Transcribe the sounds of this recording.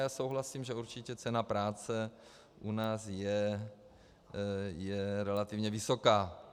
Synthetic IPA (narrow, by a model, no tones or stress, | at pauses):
jaːso̞wɦlasiːmʒɛuɾt͡ʃɪcɛt͡sɛnapɾaːt͡sɛ | ʔunaːsjɛ | jɛɾɛlat̪ɪvɲɛvɪsokaː